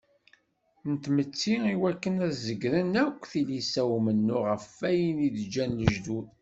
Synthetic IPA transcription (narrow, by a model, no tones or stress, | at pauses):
nt̪mət͡sːiiwækːənæðzəɡɾənækʷːθilisæwmənːʊʁəfæjəniðd͡ʒːænləʒd̪un